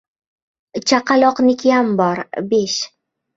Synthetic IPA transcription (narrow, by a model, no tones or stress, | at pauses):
t͡ʃʰaqʰɑlˠɒqnɪkʲambɒɾbeʃ